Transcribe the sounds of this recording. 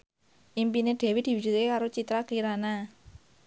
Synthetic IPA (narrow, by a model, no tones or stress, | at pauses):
ʔimpineɖ̪̥e̤wid̪̥i̤wud͡ʒ̥ut̪̚kekaɾot͡ʃit̪ɾakiɾana